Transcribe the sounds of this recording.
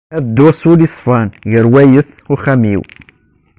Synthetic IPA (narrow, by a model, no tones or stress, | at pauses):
æðəd̪wɑsˤulisˤfɑnʝəɾwæjəθ | ʊχæmḭw